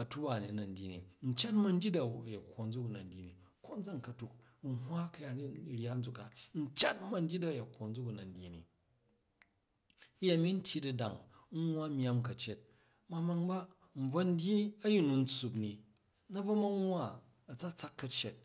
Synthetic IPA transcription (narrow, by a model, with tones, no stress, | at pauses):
ɐ˨tu˦ba˨ni˨nɐ˨n̩˨˦dʲji˨nḭ˨n̩˨t͡ʃa˦tmɐ˦n̩˦dʲi˦da˨je˨kʰʷːo˨n̩˦d͡zu˦ku˨nɐ˨n̩˦dʲi˨ni˨ | ko˦n˦d͡za˦ŋ̩˨kɐ˨tu˨k | n̩˦ɦwa˦kɐ˦ja˨i˦ɾʲja˦n̩˦d͡zu˦kːa˨n̩˦t͡ʃa˦tma˨n̩˦dʲi˦da˦˨je˨kʰʷːo˨n̩˦d͡zu˦ku˨nɐ˨n̩˦dʲi˨nḭ˨˦ | ja˨mi˦n̩˦tʲʰi˦di˨da˨ŋ | ŋ̩ʷ˦a˦mʲ˦a˦mkɐ˨t͡ʃe˦t̚ | ma˨ma˧ŋba˦ | m̩˨b͡vɐ˦n̩˦dʲji˦ɐ˦ji˦nu˨n̩˦t͡su˧p̬ni˨ | nɐ˦bɐ˦ma˦ŋwa˦ | ɐ˨t͡sa˦t͡sa˦kːɐ˦t͡ʃe˨t̚